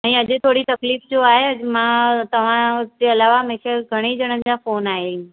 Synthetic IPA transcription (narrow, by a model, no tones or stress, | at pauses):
ɛ̃ːɐʄt̪ʰoːɽit̪ɐkliːfd͡ʑoaːɦeəmãt̪ɐʋ̤ãd͡ʑeɐlaːʋamɛ̃kʰeɡʱɐɽ̃ed͡ʑəɽ̃ənɪd͡ʑafoːnaːɦe